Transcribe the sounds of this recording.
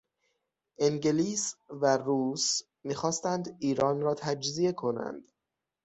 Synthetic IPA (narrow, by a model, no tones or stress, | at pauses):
ʔeŋɡeliːsværuːs | miːxɒːst̪ænd̪iːɾɒːnɾɒːt̪ʰæd͡ʒzie̞kʰo̞næ̰nd̪̥